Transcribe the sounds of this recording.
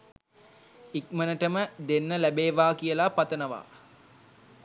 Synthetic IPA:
ik̚mənəʈəməd̪enːəlæbeːʋaːkijəlapat̪ənəʋa̰ː

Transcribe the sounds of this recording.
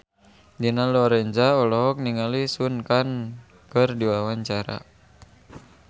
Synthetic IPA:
dinalɔɾɛɲd͡ʒaɔlɔɦɔk̚niŋalisunkan | kərdiwawaɲt͡ʃaɾa̰

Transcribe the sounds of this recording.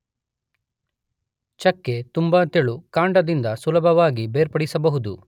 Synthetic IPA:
t͡ʃɐkːet̪umbɐt̪eɭukaːɳɖɐd̪ind̪ɐsulɐbʱɐʋaːɡibeːɾpɐɽisɐbɐɦud̪ṵ

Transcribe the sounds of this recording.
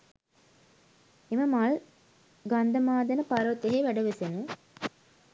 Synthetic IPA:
eməmaɭ | ɡand̪ɐmaːd̪ɐnəpaɾot̪eɦeʋæɖɐʋesenə

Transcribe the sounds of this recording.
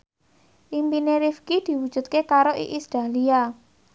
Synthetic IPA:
ʔimpineɾifkid̪̥i̤wud̥ʒ̥ṳt̪̚kekaɾoʔḭʔist̪ɾalia

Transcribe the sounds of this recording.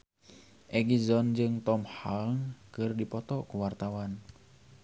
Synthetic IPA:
ʔɛɡizɔnd͡ʒɨŋt̪ɔmhaŋkɨrdipɔt̪ɔkuwart̪awan

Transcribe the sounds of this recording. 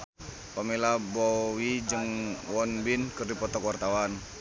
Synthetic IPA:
pamilabɔwid͡ʒɨŋwɔnbinkɨrdipɔt̪ɔkwart̪awan

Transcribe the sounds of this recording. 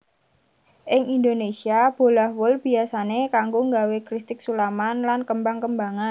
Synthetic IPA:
ʔɪŋʔind̪onesiab̥o̤lahwʊlb̥i̤asanekaŋɡoŋɡawekɾist̪ɪk̚sulamanlankəmbaŋkəmbaŋan

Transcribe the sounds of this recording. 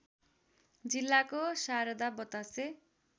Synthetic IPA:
d͡zilːakosaɾʌd̪abʌt̪ase

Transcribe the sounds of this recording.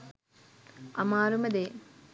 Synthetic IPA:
ɐmaːɾumɐd̪eː

